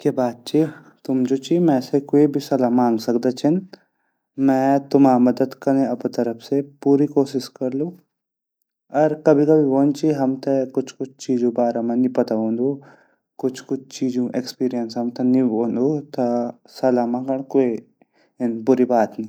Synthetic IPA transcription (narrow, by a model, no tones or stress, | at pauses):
kjaːbaːt̪̚t͡ʃʰi | t̪ʊmd͡ʒoːt͡ʃimɛ̃ːsekoːibʱisɐlaːmãːŋɡsɐkd̪et͡ʃʰɪn | mɛ̃ːt̪ʊmaːmɐd̪əd̪kɐnẽɐpt̪ɐɾəpsepuːɾikoːʃɪʃkɐɾlũ | ɐɾkɐbʱikɐbʱiʋoːnt͡ʃiɦɐmt̪ekʊt͡ʃʰkʊt͡ʃʰt͡ʃiːd͡ʒũbaːɾamãnĩpɐt̪aɦõːnd̪u | kʊt͡ʃʰkʊt͡ʃʰt͡ʃiːd͡ʒũʔekspiːɾijənsɦɐmt̪eniʋoːnd̪ut̪ɐ | sɐlaːmãkɐɽ̃koːi | ɪnbʊɾibaːt̪nĩ